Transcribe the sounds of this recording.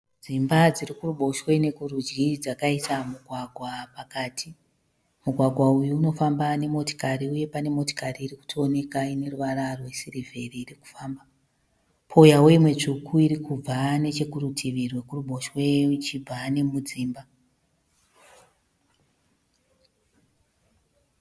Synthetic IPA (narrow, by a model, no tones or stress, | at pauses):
d͡zimbad͡zirikuruɓo̞ʃwe̞ne̞kurud͡ʒɡid͡zakaitamuɡʱwaɡʱwapakaːtʰi | muɡʱwaɡʱwaujuːno̞fambane̞mo̞to̥kaɾiuje̞pane̞mo̞to̥kariːriku̥tʰoːne̞kaine̞ruʋaɾarwe̞sirive̞riːɾiku̥faːmba | pʰo̞jawe̞imwe̞t͡ʂukʰuiɾikub͡vane̞t͡ʃe̞kuɾutʰiʋirwe̞kuruɓo̞ʃwe̞t͡ʃib͡vane̞mud͡ziːmba